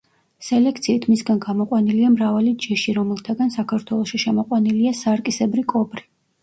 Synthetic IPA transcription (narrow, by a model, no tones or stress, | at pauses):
sɛlɛkʰt̪sʰiːt̪ʰmisɡanɡamɔqʼwaniliamɾavalid͡ʒɛʃiɾɔmɛlˠt̪ʰaɡansakʰaɾt̪ʰwɛlˠɔʃiʃɛmɔqʼwaniliasaɾkʼisɛbɾikʼɔbɾi